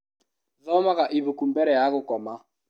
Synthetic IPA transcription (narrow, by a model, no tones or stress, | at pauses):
ðɔmaɣaʔiβokumbɛɾɛjaɣʊkɔma